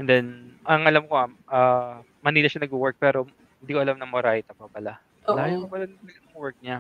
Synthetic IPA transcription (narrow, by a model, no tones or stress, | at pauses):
ʔɛnd̪ɛnʔɐŋʔɐlamkoaʔaː | mɐniːlɐʃanɐɡuwɛɹk̚pɛːɾo̞ | hɪnd̪iːkoʔɐlamnɐŋmoɾajt̪ɐpɐpɐla | laːjoɐpɐlanɐt̪ɐlɐɡanʊŋwɛɹk̚ɲa